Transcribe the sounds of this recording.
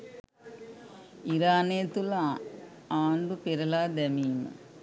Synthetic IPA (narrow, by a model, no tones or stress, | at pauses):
iɾaːnejɐt̪ula | aːɳɖupeɾɐlaːd̪ɛmiːmɐ̰